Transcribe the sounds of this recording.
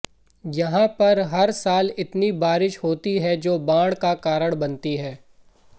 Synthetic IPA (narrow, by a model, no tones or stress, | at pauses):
jɐɦãpɐɾɦɐɾsaːlɪt̪nibaːɾɪʃhoːt̪iɦɛd͡ʒoːbãːɽkakaːɾəɽbɐnt̪iɦɛː